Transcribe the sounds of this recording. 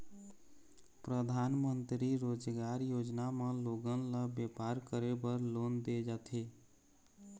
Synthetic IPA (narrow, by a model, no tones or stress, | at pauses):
pɾəd̪ʱaːnmənt̪ɾiɾod͡ʒɡaɾjod͡ʒnamẽloɡənləbjepaɾkəɾebəɾlond̪ed͡ʒat̪ʰe